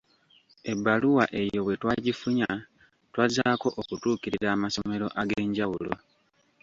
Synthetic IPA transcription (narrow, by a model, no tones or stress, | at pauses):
e̞bːaluwaʔe̞jo̞βwe̞twaːɟifuɲa | twazaːko̞ʔokutuːkiɾiɾaːmasome̞ɾo̞̰ʔaɡeːɲɟawulo̞̰